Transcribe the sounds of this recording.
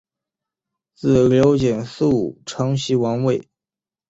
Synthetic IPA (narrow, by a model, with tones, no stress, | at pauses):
t͡sɹ̩˥˩ljo˧˥ʊt͡ɕjɛ˨˩nsɹu˥˩u˨˩ʈ͡ʂʰɤ˧˥ŋɕi˧˥wɑ˧˥ŋwe˥˩ɪ